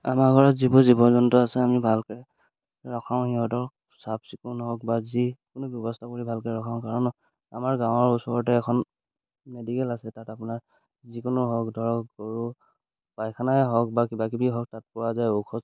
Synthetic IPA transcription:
amaɡʱɔɹɔtzibuzibɔnzɔntɔasɛamibʱalkɛ | ɹɔkʰaʊ̃nhiɦɔtɔɹ | sapsikunɦɔkbazikʊnʊbjɔbɔstʰakoɹibʱalkɛɹɔkʰaʊ̃kaɹɔnɔ | a̰maɹɡãw̃ɔɹusɔɹɔt̬ɛːkʰɔn | medikɛlasɛtatapʊnaɹ | zikʊnʊɦɔkdʱɔɹɔkɔɹu | b̥ajkʰanaɛɦɔk̚bakibakibiɦɔk̚tat̚pɔɹazajokʰɔ

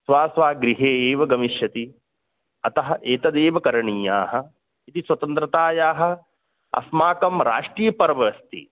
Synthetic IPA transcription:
sʋaːsʋaːɡɾiɦeːeːʋɐɡɐmiʃjɐt̪i | ɐt̪ɐɦɐʔeːt̪ɐd̪eːʋɐkɐɾɐɳiːjaːɦɐ̆ | it̪isʋwɐt̪ɐnt̪ɾɐt̪aːjaːɦɐ̆ | ɐ̰smaːkɐmɾa̰ːʂʈɾiːjɐpɐɾɐʋɐɐst̪ḭ

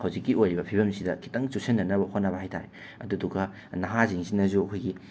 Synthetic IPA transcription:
hawzikːiojɾibɐpʰibɐmsidɐkʰi̥tɐŋt͡ʃusenːɐnɐbɐhot̚nɐbɐhajtʰa̰ɾe | ɐ̰dudukɐ | nɐɦaziŋsinɐzuɐkʰojɡi

